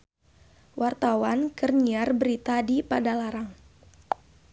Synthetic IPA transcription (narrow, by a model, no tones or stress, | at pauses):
wʔart̪awankərniarbəɾit̪adipadalaɾaŋ